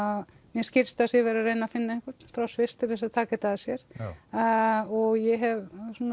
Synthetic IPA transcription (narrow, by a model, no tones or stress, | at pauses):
að | mjɛscɪɾst̪asjɛvɛːɾarejnafɪnːaɪhkʏt̪fɾawsvɪst̪ʰɪlθɛsaðt̪ʰaːkat̪aðsjɛɾ̥ | ɔɣjɛɦɛvsun